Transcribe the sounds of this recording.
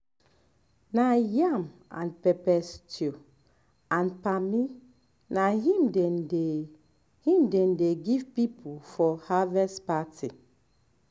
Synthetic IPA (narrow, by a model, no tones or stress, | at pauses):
najamã̰npɛpɛstio | ãnpami | naɦĩmdɛnde | hĩmdɛ̃ndeɡivpipʰufɔhavɛspatʰi